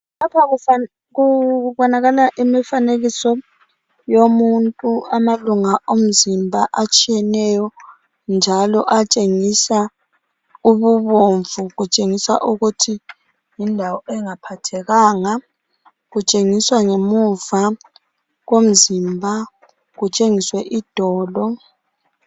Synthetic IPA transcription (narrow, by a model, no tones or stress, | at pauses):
lapʰaɣua | ɣuβɔnaɣalaʔimifaneɣisɔ | jomuntʼuamaluŋaʔom̩zimbʱaʔat͡ʃʼijɛnɛjɔ | nd͡ʒʱalɔʔat͡ʃʼeŋisa | uβuβoɱvuɣut͡ʃʼeŋisa̰ʔuɣutʰi | jindʱawɔʔɛŋapʰatʰɛɣaːŋa | ɣut͡ʃʼeŋiswaŋemuva | ɣom̩zimbʱa | ɣut͡ʃʼeŋiswɛʔid̥ʱɔːlɔ